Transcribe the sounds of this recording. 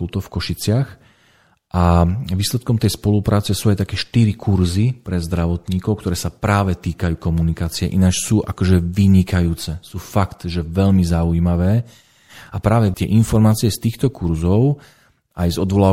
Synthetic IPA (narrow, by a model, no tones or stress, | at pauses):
kult̪ɔfkɔʃit͡sɪax | ʔaʋiːslɛt̪kɔmt̪ɛjspɔlupɾʔaːt͡sɛsuːajt̪akɛːʃt̪iɾikʰuɾzipɾɛzd̪ɾaʋɔt̪ɲiːkɔʊkt̪ɔɾɛːsapɾaːʋɛt̪iːkajuːkɔmunikaːt͡siɛʔinat͡ʃsuːʔa̰kɔʒɛʋiɲikajuːt͡sɛsuːfakt̪ʒɛʋɛʎmizauimaʋɛː | apɾaːʋɛt̪ɪɛʔinfɔɾmaːt͡siɪɛst̪iːxt̪ɔkuɾzɔʊ | ajzɔd̪ʋɔlaː